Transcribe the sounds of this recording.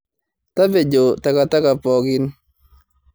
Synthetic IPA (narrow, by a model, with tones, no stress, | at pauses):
t̪a˦be˨d͡ʒo˨ta˨ka˨ta˦ka˨pɔ˨ɡɪ˦n